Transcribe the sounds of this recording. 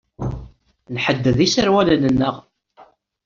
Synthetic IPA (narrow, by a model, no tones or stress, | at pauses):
nħəd̪ːəðisəɾwælənənːəʁ